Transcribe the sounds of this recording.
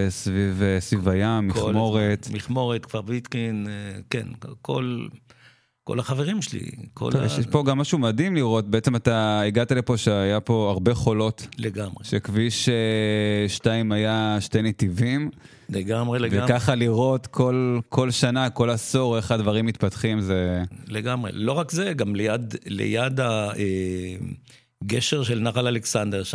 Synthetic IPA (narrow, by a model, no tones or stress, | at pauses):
svivesvivajamːiχmo̞ʁet̪miχmoʁet̪kv̥aʁbit̪kinkḛnkʰo̰l | ko̰laχaveʁimʃelḭkʰo̰l̰eʃpo̞ɡamːaʃumad̪imliʁo̞t̚beet͡semat̪aiɡat̪alepo̞ʃeajapo̞aʁbe̞χo̞lo̞tleɡamʁeʃekviʃeʃtaimajaʃtenetivim | leɡamʁeevekaχaliʁo̞t̪kʰo̞lkʰo̞lʃanako̞laso̞ʁeχadvaʁimːit̪patχimzeleɡamʁḛlo̞ʁakzeɡamlejad̪lḛjad̪ae | ɡeʃeʁʃelnaχalaleksand̪eʁ